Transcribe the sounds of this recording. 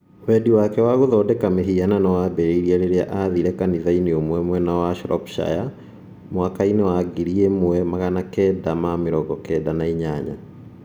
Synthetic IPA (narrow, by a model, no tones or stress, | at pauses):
wɛdiwakɛwaɣoðɔdɛkameɦiananawabɛɾeiɾiaɾeɾea̰ʔaðiɾɛkaniðaineomwɛmwɛnawaʃɾɔ̰pʃa̰ja | mwakainewaɡiɾiemwɛmaɣanakɛdamameɾɔɣɔkɛdanaiɲaɲa̰